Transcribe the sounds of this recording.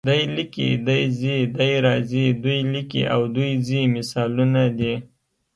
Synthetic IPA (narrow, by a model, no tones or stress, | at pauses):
d̪ajlikḭd̪ajzid̪ajɾɑzid̪ujlikḭʔawd̪ujzimɪsɑlunad̪i